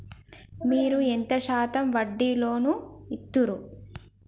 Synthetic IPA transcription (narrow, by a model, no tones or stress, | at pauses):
miːɾuent̪ɐʃaːt̪ɐmʋɐɖːiloːnuit̪ːuɾu